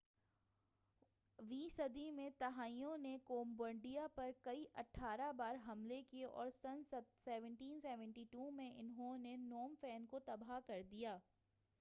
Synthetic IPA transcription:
ʋiːsɐd̪imẽt̪ɐɦaːijõnekoːmbə̃ɳɖijapɐɾkɐiʔɐʈʰːaːɾabaːɾɦɐmlekieʔɔ̰ːɾsɐnsɐd̪sɛːʋə̃ɳʈiːnsɛːʋə̃ɳʈiʈuːmẽʔɪnɦõnenoːmfɛːnkot̪ɐbakɐɾd̪ijaː

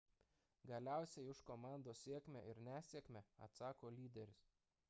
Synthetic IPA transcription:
ɡɐlʲæˑʊsʲɛɪɪʃkomɑˑnd̪oːsʲiɛkʲmʲɛ̰ʔɪɾnʲæːsʲiɛkʲmʲɛɐ̰t̪sɑːkoːlʲiːd̪ʲɛɾʲʊs

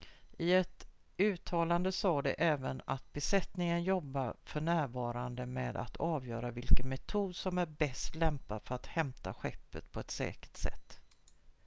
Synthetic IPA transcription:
ʔɪɛt̪ | ʉ̟ːt̪ʰɑːland̪əsɑːd̪ɛ̰ʔɛːvənat̪̚bɛsɛt̪nɪŋənjɔbːaɾfœɳæːɾvɑːɾand̪əmɛːd̪a̰t̪ʰɑːvjœːɾavɪlkənmɛt̪ʰuːd̪sɔmæɾbɛst̪lɛmpafœɾat̪hɛmt̪a̰ɧɛpːə̰t̪pʰɔɛt̪sɛ̰ːkə̥ʈ̪sɛ̰t̪ː

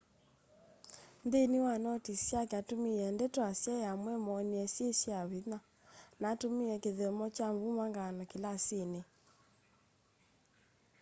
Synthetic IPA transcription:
ndeniwanɔtisiakeatumiɛndɛtwasjɛjamwɛmɔniɛsjeʃiaβina | natomiɛkeðɛmɔt͡ʃambumaŋɡanɔkilasine

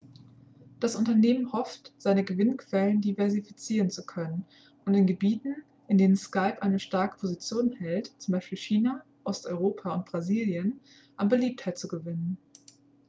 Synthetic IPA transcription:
d̥asʔʊntɐneːmənhɔftz̥aɪnəɡəvɪnkʰv̥ɛləndivɛɐzifit͡siːʁənt͡sukʰœnən | ʊntɪnɡəbiːtn̩ | ʔɪndeːnənskaɪpʔaɪnəʃtaɐkə̥pʰozit͡sjoːnhɛltt͡sʊmbaɪʃpiːlçiːna | ʔɔstʔɔʏʁ̞oːpʰaʊnt̚b̥ʁaziːljən | ʔanbəliːp̚thaɪtt͡suɡəvɪnən

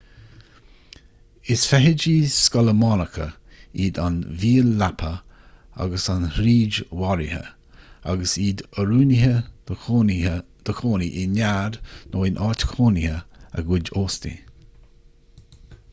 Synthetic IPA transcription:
ɪsfɛɦɪd͡ʒiːskɔləmɔnəkʰə | iːd̪anviːəlːapʰə | a̰ɡəsanɾiːd͡ʒwaɾihə̰ | a̰ɡəsiːd̪əɾuːniɦə | d̪̥əkʰoːniʔɪnaɾnʔoːɪnʔɑːɹt̪ə̥kʰoːnihəə̰ɡwɪd͡ʒoːstḭ

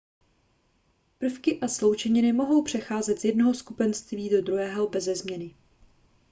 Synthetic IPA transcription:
pr̩fkɪʔaslo̞wt͡ʃɛɲɪnɪmo̞ɦo̞wpr̝̥ɛxaːzɛt̪z̥jɛdno̞ɦoskupɛnst̪viːdo̞d̪ɾuɦɛːɦo̞bɛzɛzmɲɛnɪ

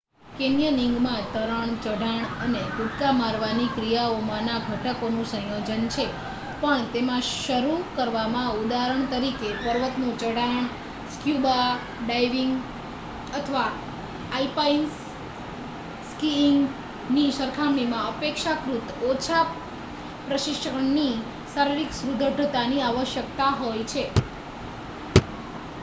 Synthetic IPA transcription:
kenjəniŋɡmãt̪əɾəɳt͡ʃəɽaɳənekuʈkamaɾʋanikɾijaomãnabʱəʈəkonũsə̃jod͡ʒənt͡ʃʰe | pəɳt̪emãʃəɾukəɾʋamãud̪aɾəɳt̪əɾikepəɾʋət̪nũt͡ʃəɽaɳ | skjuba | ɖajʋiŋɡ | ət̪ʰəʋaː | ipain | skiŋɡ | niʃəɾkʰamɽimãəpekʃakɾut̪ot͡ʃʰa | pɾəʃɪʃəkəɳni | saɾiɾiksɾud̪ʱəɖʱət̪aniaʋəʃjək̚t̪aɦojt͡ʃʰe

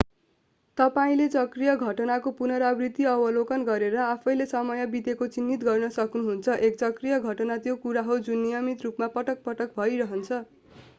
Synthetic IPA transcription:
t̪ʌpaĩlet͡sʌkrijʌɡʱʌʈʌnakopunʌɾʌbrit̪iʌbʌlokʌnɡʌɾeɾʌapʰʌjlesʌmʌjʌbid̪ekot͡sinːit̪ɡʌrnʌsʌknuɦunt͡sʰʌʔek̚t͡sʌkrijʌɡʱʌʈʌnat̪jokuɾaɦod͡zunːijʌmit̪rupmapʌʈʌk̚pʌʈʌk̚bʱʌjɾʌɦʌnt͡sʰʌ

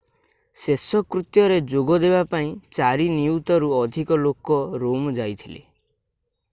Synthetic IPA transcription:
sesɔkɾut̪jɔɾed͡ʒoɡɔd̪ebapaĩt͡ʃaɾiniut̪ɔɾuɔd̪ʱikɔlokɔɾomd͡ʒajt̪ʰilḛ

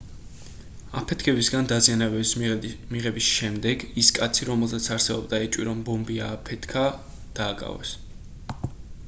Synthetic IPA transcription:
a̰pʰɛt̪ʰkʰɛbisɡand̪azianavɛsmiʁɛbisʃɛmd̪ɛɡiskʼat̪sʰiɾɔmɛlˠzat̪sʰaɾsɛbɔbd̪aɛt͡ʃʼwḭɾɔmbɔmbiaːpʰɛt̪ʰkʰa | d̪̥aːkʼa̰vɛ̰s

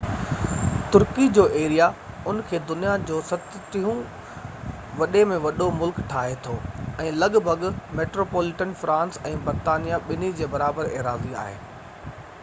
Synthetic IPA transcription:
t̪ʊɾkid͡ʑoːʔeːɾija | ʊnkʰeːd̪ʊnijad͡ʑoːsɐt̪t̪iɦũ | ʋɐɗemẽʋɐɗomʊlkʈʰaːɦet̪ʰoːɛ̃ːlɐɠbʱɐɡmeːʈɾoːpoːlɪʈənfɾãːnsɛ̃ːbɐɾt̪aːnijaɓɪnid͡ʑeːbɐɾaːbəɾḛːɾaːzia̰ːɦḛː

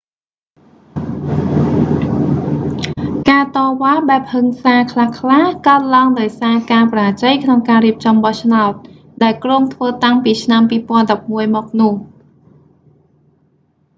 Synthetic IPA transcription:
kaːt̪ɑːʋaːɓaɛp̚həŋsaːkʰlahkʰlahkaət̪̚laəŋɗaɔjsaːkaːpraːt͡ɕəjkʰnoŋkaːɾiəp̚t͡ɕɑmɓɑht͡ɕʰnaɔt̪̚ | ɗaɛlkroːŋt̪ʰʋəːt̪aŋpiːt͡ɕʰnampiːpŏənɗɑp̚muəjmɔːk̚nʊ̆əh

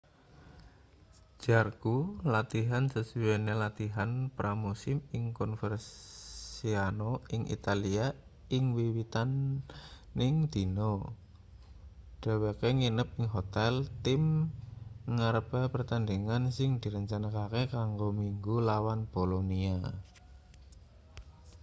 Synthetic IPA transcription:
d͡ʒ̥arɡ̥ulat̪iɦansəsuwenelat̪iɦanpɾʔamusɪmɪŋkɔnfərssianoɪŋʔḭt̪alia | ɪŋwiwit̪anː | ɪŋd̪̥i̤no | ɖ̥ɛ̤wekeŋinəp̚ɪŋɦot̪ɛlt̪ɪm | ŋaɾəpɛpərt̪and̪eŋansɪŋd̪̥i̤ɾəɲt͡ʃanakakekaŋɡomiŋɡulawanb̥olonia

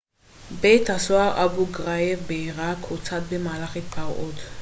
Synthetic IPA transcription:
bejt̪asoaʁʔabuɡʁajevbeiʁakot͡sat̪̚bemaːlaχepʰaʁot̪

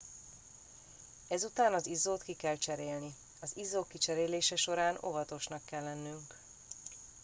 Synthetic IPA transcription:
ɛzut̪aːnɒzizoːt̪kikɛlt͡ʃɛɾeːlni | ɒzizːoːkːit͡ʃɛɾeːleːʃɛʃo̞ɾaːno̞̰vɒt̪o̞ʃnɒkːɛlːɛnːyŋk

